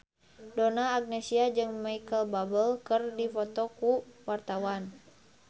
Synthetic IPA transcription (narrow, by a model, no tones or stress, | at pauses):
dɔnaːɡ̚nɛsiad͡ʒɨŋmaikəlbabəlkərdifɔt̪ɔkuwart̪awan